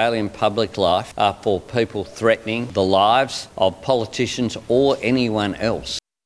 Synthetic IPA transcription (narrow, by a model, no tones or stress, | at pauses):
ɪlˠjɨ̃npʰʌblɪkʰlaɪfʔəfə˞pʰipl̩ˠθɹɛʔnɪ̃ŋðəlaɪvz̥ʔʌv̥pʰɑlˠətʰɪʃɨ̃n̩zə˞ʔɛniwʌ̃nɛ̰lˠs